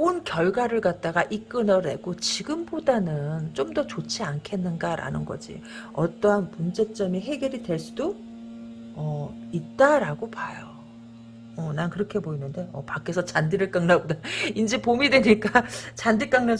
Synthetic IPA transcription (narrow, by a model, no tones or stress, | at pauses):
onkjʌɭɡwaɾɯɭkat̚t͈aɡaʔik͈ɯnʌɾe̞̰ɡot͡ɕiɡɯmbodanɯnt͡ɕ͈omdʌt͡ɕot͡ɕʰiankʰe̞nːɯnɡaɾa̰nɯnɡʌ̰d͡ʑḭ | ʌ̰t͈ʌɦanpund͡ʑe̞t͡ɕ͈ʌmiɦe̞ɡjeɾidwe̞ɭs͈udo | ʌit̚t͈aɾaɡopajo | ʌnankɯɾʌkʰe̞boinɯnde̞ʌpakʰe̞sʰʌt͡ɕandiɾɯɭk͈aŋnaɡodaind͡ʑe̞pomidwe̞ɲik͈at͡ɕandiɭk͈aŋna